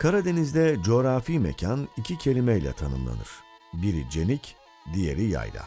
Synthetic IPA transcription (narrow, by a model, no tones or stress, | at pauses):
kʰaɾad̪e̞nizd̪ɛd͡ʒo̞ːɾafimɛ̰cʰanicʰicʰe̞lʲimɛjlʲɛ̰t̪ʰanɯ̰mlˠa̰nɯɾ̥ | biɾḭd͡ʒe̞nic | d̪ije̞̰ɾija̰jd̪ˠa̰